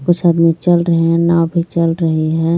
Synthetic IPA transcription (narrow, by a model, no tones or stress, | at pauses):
kʊt͡ʃʰaəd̪mit͡ʃəlɾəɦeɦɛ̃nawbʱit͡ʃəlɾəɦeɦɛ̃